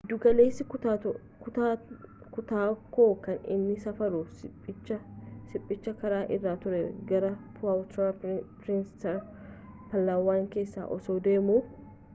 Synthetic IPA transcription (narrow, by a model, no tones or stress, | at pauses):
d̪ʊɡɐle̞ːsːɪ | kʊt̪aːkoːkɐnɪ̰nːɪsɐfɐɾʊɪt͡ʃːɐsɪpʼːɪt͡ʃːɐkɐɾaːʔɪrːaːt̪ʊɾɛɡɐɾɐpʊaːwt̪ɾapɾɪnst̪ɐɾ | pɐlːaːwːaːŋke̞ːsːa̰ːʔɔsoːd̪e̞ːmuː